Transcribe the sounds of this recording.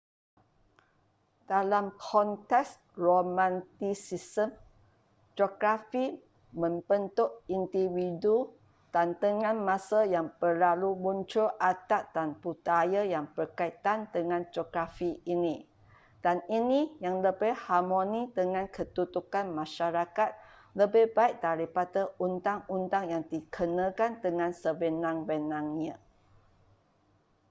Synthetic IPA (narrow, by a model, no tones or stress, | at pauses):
d̥alamkʰɔnt̪ɛks | romãnt̪isisəm | d͡ʒoɡɾafi | mə̃mbənt̪ʊʔind̪iwidu | d̥ant̪əŋãnmãsəjaŋpərlalubunt͡ʃʊlʔat̪at̪̚danput̪ajəjaŋpərkait̪and̪əŋãnd͡ʒoɡɾafiʔinĩ | d̥aninĩjaŋləbɪhhamõnid̪əŋãnkət̪ut̪ukanmãʃaɾakat̪̚ | ləbɪhbaiʔ̚t̪aɾipadəunt̪aŋunt̪aŋjaŋdikʰənə̃kand̪əŋãnsəbənãŋbənãŋɲə̃